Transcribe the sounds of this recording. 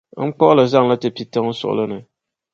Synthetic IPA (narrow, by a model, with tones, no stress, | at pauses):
ŋ̩˦k͡pɔ˦ʔlɨ˨za˦ŋla˦tɪ˨pi˨tɛ˦ŋ̩˦sʊ̰˨ʔʊ̰˨lɨ˦nɨ˨